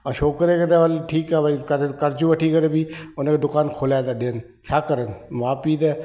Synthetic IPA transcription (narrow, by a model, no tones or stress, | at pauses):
əʃoːkːəɾeːket̪eːʋəlʈʰiːkɛːbaːikəɾkəɾt͡ʃũːəʈʰiːkəɾeːbiːʊnẽkd̪ʊkaːnkʰoːlɛːd̪aːd̪ɪn | t͡ʃʰaːkəɾənʋãːpiːd̪ɛː